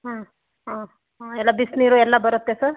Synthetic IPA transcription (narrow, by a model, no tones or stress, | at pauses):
ɦʌ̃ | ɦʌ̃ | ɦelabisniɾoelːabʌɾʌt̪ːet͡sʰʌ